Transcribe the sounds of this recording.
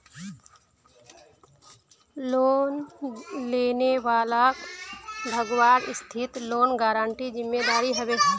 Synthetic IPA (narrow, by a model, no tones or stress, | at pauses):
loːnleːneʋaːlakbʱəɡʋaːɾɪst̪ʰɪt̪loːnɡaːɾãːɳʈizɪmːeːd̪aːɾiɦəʋeː